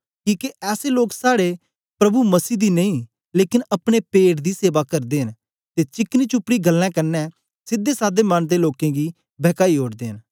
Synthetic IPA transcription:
kiːkeʔɛːseloːksaːɽe | pɾɐbuməsiːd̪iːnə̃ĩː | leːkɪnɐpɽ̃eːpeːʈd̪iːseːʋakɐɾd̪eːɦən | t̪eːt͡ʃɪkniːt͡ʃʊpːɽiːɡəlːɛ̃ːkəɾnɛː | sɪd̪ːeːsaːd̪emənd̪eːloːkɛ̃ːɡiː | bɛːkaːioːɽd̪eːɦən

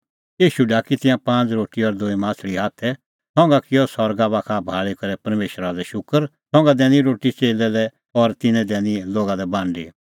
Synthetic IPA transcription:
iːʃuɖaːkit̪ɪ̃jãpãːt͡sɾoːʈiɔɾd̪ʊimãːt͡sʰɭiɦaːt̪ʰɛ | t̪ʰɔ̃ːŋɡakɪjɔsɔɾɡabakʰabʱaːɭikɐɾɛpɐɾmeːʃɾad̪ɛʃʊkəɾt̪ʰɔ̃ːŋɡad̪ɛːniɾoːʈit͡ʃeːlɛlɛ | ɔɾt̪ɪnɛ̃d̪ɛːniloːɡad̪ɛbãːɳɖḭ

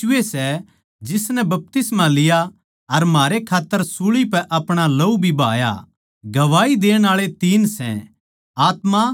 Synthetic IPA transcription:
esɛ | d͡ʒɪsnɛbɐp̚t̪ɪsmãlɪja | ɐɾmaːɾekʰaːt̪ːəɾsuɭipɛʔɐpɽ̃alɐubʱiba̰ːja̰ | ɡɐʋaːid̪eːɽ̃aːɭet̪iːnsɛ̰̃ | aːt̪ma

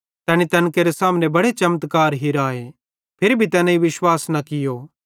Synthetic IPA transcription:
t̪ɛːñit̪ɐnkeɾesaːmnebɐɽet͡ʃɐmət̪kaːɾɦiɾaːe | pʰɪɾbʱit̪ɛːnãiʋɪʃwaːsnɐkɪjoː

